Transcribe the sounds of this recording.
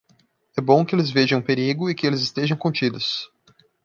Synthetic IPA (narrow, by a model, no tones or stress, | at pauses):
ɛbõw̃kɪelɪzveʒɐ̃ũpeɾiɡʊɪkɪelɪzɪst̪eʒɐ̃w̃kõnt͡ʃid̪ʊs